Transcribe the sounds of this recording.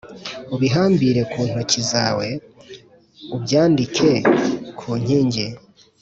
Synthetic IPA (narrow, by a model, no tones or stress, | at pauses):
uβiɦaːmbiɾe̞kʰuːn̥ocizaːwe̞ | ubjaːndikʰe̞kʰuːɲ̥iːɲɟe